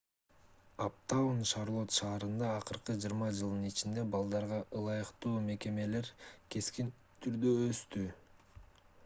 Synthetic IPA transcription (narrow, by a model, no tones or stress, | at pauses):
ap̚t̪anʃɑɾlˠo̞t̪ʃɑːɾɯnd̪ɑːqɯɾqɯd͡ʒiɯɾmɑd͡ʒɯlˠd̪ɯnit͡ʃind̪e̞bɑlˠd̪ɑɾʁɑʔɯlˠɑjɯqt̪uːme̞ke̞me̞le̞ɾke̞skin | t̪ʰyɾd̪øːst̪y